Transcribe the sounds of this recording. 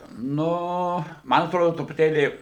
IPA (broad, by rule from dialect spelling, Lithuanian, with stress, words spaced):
ˈnʊ ˈmɐn ɐtˈroːdoː trʊpʊˈtʲeːlʲiː